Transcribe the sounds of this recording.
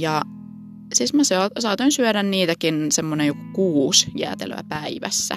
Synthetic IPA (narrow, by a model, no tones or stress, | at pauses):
jɑ | sismæsesɑːt̪oinsyøɾænniːt̪ækinsemːonejokokuːsjæ̰t̪ḛlø̰æ̰pæiʋæ̰sːæ̰